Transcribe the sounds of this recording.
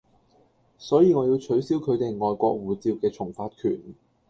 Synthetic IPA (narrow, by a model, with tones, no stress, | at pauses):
sɔː˨˥jiː˧ŋɔː˨˧jiː˧wt͡ʃʰɵ˨˥ɥsiː˥wkʰɵ˨˧ɥt̪e˨jŋɔː˨jkʷɔː˧k̚wuː˨˩t͡siː˧wkɛː˧t͡ʃʰʊ˨˩ŋfaː˧t̚kʰy̰ː˨˩n